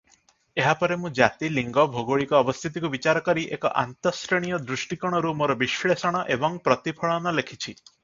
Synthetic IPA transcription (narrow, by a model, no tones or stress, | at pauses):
eɦapɔɾemũd͡ʒat̪iliŋɡɔbʱoɡoɭikɔːbɔst̪ʰit̪ikubit͡ʃaɾɔkɔɾiʔekɔ̰ʔa̰nt̪ɔsɾeɽ̃ijɔd̪ɾuʃʈikɔɽ̃ɔɾumoɾɔbiʃɭesɔɽ̃ɔʔebɔŋpɾɔt̪ipʰɔɭɔnɔlekʰit͡ʃʰi